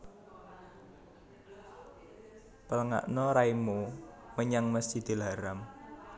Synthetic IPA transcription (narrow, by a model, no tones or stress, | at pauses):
pələŋa̰ʔnɔɾaimu | məɲaŋməst̪id̪̥i̤lɦaɾam